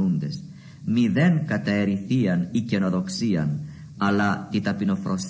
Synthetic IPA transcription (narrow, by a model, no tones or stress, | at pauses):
und̪e̞s | miðe̞ŋkɐt̪ɐe̞ɾiθiɐnice̞no̞ðo̞ksiɐ̰n | ɐlɐt̪it̪ɐpino̞fɾo̞s